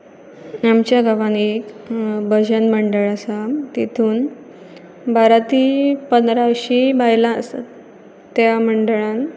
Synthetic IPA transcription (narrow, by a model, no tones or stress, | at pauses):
amt͡ɕjaɡʱaʋanek | bəd͡ʑənməɳɖəɭasat̪et̪ʰuːn | baɾat̪iːpənd̪ɾaɕibajlãsa̰ | t̪ːjaməɳɖəɭãn